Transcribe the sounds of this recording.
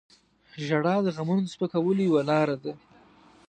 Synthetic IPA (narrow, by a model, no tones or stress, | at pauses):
ʒaɽɑd̪əɣamunospəkawəlojawalɑɾad̪a